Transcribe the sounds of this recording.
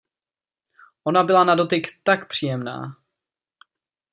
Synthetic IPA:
ʔo̞nabɪlanado̞t̪ɪkt̪akpr̝̥iːjɛmna̰ː

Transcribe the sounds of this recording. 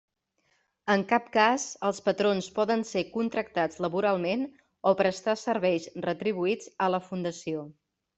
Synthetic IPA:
əŋkap̚kazəlˠspət̪ɾonspɔðənsekunt̪ɾək̚t̪ad͡zləβuɾalˠmen | opɾəst̪asəɾβɛjsrət̪ɾiβ̞uid͡zələfund̪əsio

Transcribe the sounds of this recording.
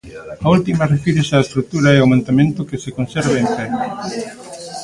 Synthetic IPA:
ault̪imɐrefiɾesaest̪ɾuk̚t̪uɾaɛomãnt̪amẽnt̪ʊkesekonsɛɾβeeɱfɛ

